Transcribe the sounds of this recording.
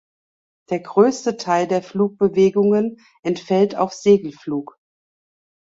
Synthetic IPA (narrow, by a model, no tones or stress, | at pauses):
d̥eːɐɡʁøːstətʰaɪldeːɐfluːk̚b̥əveːɡʊŋən | ʔɛntfɛltʰa̰ʊfz̥eːɡl̩fluːk